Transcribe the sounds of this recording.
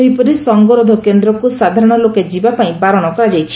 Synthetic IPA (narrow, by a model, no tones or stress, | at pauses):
ɦipɔɾisɔŋɡɔɾɔd̪ʱɔkend̪ɾɔkusad̪ʱaɾɔɽ̃ɔloked͡ʒibapaĩbaɾɔɽ̃ɔkɔɾad͡ʒajt͡ʃʰi̥